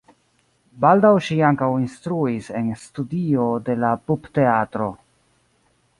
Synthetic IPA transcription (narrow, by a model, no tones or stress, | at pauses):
baldawʃiaŋkawinstɾuise̞nstudio̞de̞lapupte̞atɾo̞